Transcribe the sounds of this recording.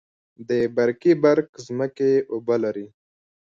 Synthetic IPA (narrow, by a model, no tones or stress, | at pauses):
d̪ebaɾkibaɾkzməkeʔʊbalaɾi